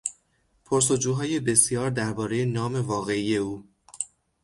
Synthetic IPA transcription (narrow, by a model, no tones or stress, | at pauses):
pʰoɾs̬o̞d͡ʒuːɦɒːje̞be̞sijɒːɾd̪æɾbɒːɾe̞je̞nɒːme̞vɒːɣe̞ije̞uː